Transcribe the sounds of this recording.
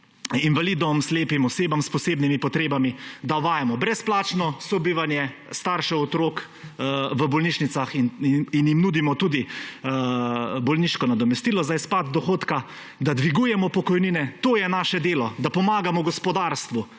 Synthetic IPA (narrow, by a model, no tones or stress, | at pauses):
inʋalid̪ɔmsleːpimɔseːbamspɔseːbnimipɔt̪ɾeːbamid̪aʋaːjamɔbɾɛsplaːt͡ʃnɔsɔbiːʋanjɛst̪aːɾʃɛɔt̪ɾoːk | ʋəbɔlniːʃnit̪saxninjimnud̪imɔt̪uːd̪i | bɔlniʃkɔnad̪ɔmɛst̪iːlɔzajspad̪̚d̪ɔxoːt̪ka | d̪ad̪ʋiɡujɛmɔpɔkɔjninɛt̪oːjɛnaːʃɛd̪eːlɔd̪apɔmaːɡamɔɡɔspɔd̪aːɾst̪ʋu